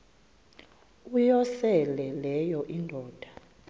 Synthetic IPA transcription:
ujɔsɛlɛlɛjɔʔindʱɔːd̥ʱa

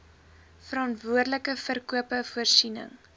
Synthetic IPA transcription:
fəɾɑntvuərdləkəfərkuəpəfuərsinə̰ŋ

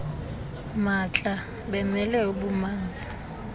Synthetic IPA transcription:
mat͡ɬʼa | ɓɛmɛlɛuɓumaːnd͡zʱa

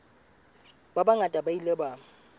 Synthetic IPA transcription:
babaŋatʼabailɛbaː

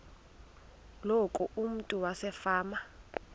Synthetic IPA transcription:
lokʼuʔum̩tʼuwasɛfaːma

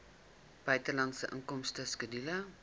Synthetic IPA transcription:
b̥œɥtəlɐntsəʔəŋkɔmstəskədilɐ

